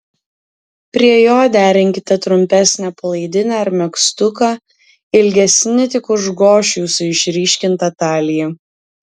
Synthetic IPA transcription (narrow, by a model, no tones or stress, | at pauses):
pʲɾʲiɛjoːd̪ʲæːɾʲɪŋʲkʲɪt̪ʲɛt̪ɾʊmʲpʲæsʲnʲɛpɐlˠɐɪd̪ʲɪnʲɛɐɾmʲɛkst̪ʊkɐ | ɪlʲɡʲɛsʲnʲɪt̪ʲɪkʊʒɡoːʃʲuːsʊɪʃʲɾʲiːʃʲkʲɪnt̪ɐːt̪ɑːlʲɪjɛ